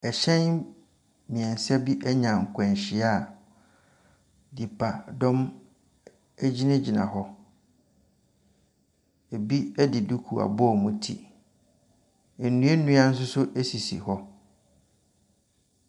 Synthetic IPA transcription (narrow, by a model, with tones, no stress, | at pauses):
ɛ˨ɕɛ̃˦n | mĩ˨ɛ̃˨n˨sɛ˦bi˦ʔɛ˦ɲã˨ŋ̩˨kʷʰɛ̃˨n˨ɕɪ˨˦a˦˨ | di˨pʰa˨dɔ̃˦m | æ˦d͡ʑi˦nɪ̃˦d͡ʑi˨nã̰˨hɔ˦ | e˨bi˦ɛ˦dɪ˨du˦kʰu˨a̰˨bʊ˦ɔ˦˨mũ˦tʰḭ˦˨˦ | nũ˦e˦nũ˦a˦n̩˦s̬ʊ˦sʊ˦ʔæ˦si˨sḭ˨hɔ˦